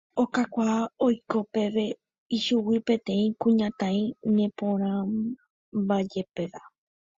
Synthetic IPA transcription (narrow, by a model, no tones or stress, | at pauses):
o̞kakʷaojko̞pe̞ʋe | iʃuwipẽ̞t̪ẽ̞ĩkũɲãt̪ãĩnẽ̞põ̞ɾ̃ã | bad͡ʒe̞pe̞ʋa